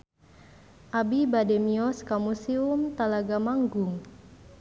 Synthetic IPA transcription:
ʔabibademiɔskamusiumt̪alaɡamaŋɡuŋ

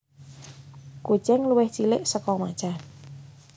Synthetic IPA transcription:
ku̥t͡ʃɛŋluwɪht͡ʃilɪ̰ʔsəkɔmḁt͡ʃa

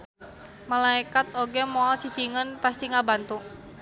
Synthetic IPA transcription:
malaikat̪̚oɡemoalt͡ʃi̥t͡ʃiŋənpast̪iŋabant̪u

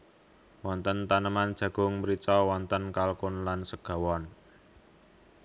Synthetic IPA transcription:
wɔnt̪ənt̪anəmand̥ʒ̥ä̤ɡ̥ʊ̤ŋməɾit͡ʃɔwɔnt̪ənkalkʊnlansəɡ̥a̤wɔn

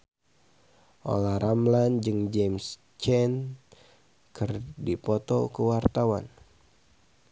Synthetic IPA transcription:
ʔo̰laɾamland͡ʒɨŋd͡ʒɛms | t͡ʃɛn | kɨrdipɔt̪ɔkəwart̪awan

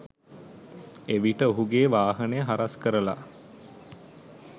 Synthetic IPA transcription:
eʋiʈəoɦuɡeːʋaːɦənəjəɦaɾaskəɾəla̰

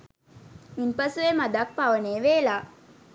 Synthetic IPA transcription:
impɐsuʋemad̪ak̚paʋəneːʋeːlaː

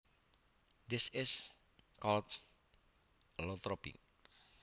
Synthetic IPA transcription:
d̪ɪsɪs | kɔlt̪̚ | lot̪ɾɔpḭk̚

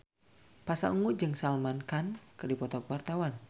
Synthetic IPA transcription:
pasa̰ŋud͡ʒɨŋsalmankankɨrdipɔt̪ɔkwart̪awan

